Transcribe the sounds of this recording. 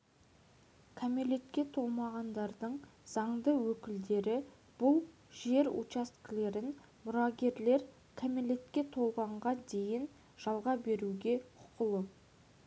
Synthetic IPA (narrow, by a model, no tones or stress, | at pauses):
kʲʰamelet̪kʲe̞t̪ʰo̞lˠmɑʁɑnd̪ɑɾd̪əɴz̥ɑɴd̪əwɵkʲɪld̪e̞ɾɪ | b̥ʊlˠ | ʒe̞ɾṵt͡ʃast̪kle̞ɾɪn | mʊɾɑɡʲe̞ɾle̞ɾ | kʰamelʲet̪kʲe̞t̪ʰo̞lˠʁɑɴʁɑd̪e̞jɪn | ʒ̥ɑlˠʁɑbe̞ɾuɡʲe̞qʰʊ̥qəlˠə